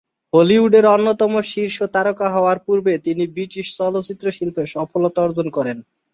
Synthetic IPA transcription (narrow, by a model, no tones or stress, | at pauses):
holiuɖeɾɔnːot̪ɔmoʃiɾʃot̪aɾokaɦɔoaɾpuɾbet̪inibɾiʈiʃsɔlot͡ɕit̪ːɾoʃilpeʃɔfolot̪oɔɾd͡ʑonkɔɾen